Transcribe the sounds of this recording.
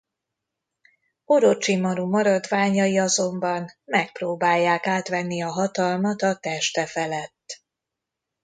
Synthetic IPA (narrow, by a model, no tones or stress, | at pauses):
oɾot͡ʃimɒɾumɒɾɒd̪ʋaːɲɒjiɒzo̞mbɒnmɛk̚proːbaːjːaːkaːt̪ʋɛnːiɒɦɒt̪ɒlmɒt̪ɒt̪ɛʃt̪ɛfɛlɛt̪ː